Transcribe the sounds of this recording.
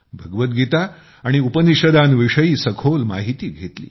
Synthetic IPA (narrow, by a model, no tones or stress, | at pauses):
bʱəɡʋət̪̚ɡit̪a | aɽ̃iupəniɕəd̪anʋiʂəjiːsəkʰolmaɦit̪iːɡʱet̪lḭː